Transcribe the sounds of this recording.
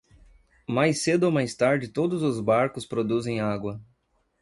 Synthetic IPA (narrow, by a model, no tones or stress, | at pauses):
majsed̪ʊomajst̪aɾd͡ʒɪt̪od̪ʊzʊzbaɾkʊspɾod̪uzẽj̃aɡwɐ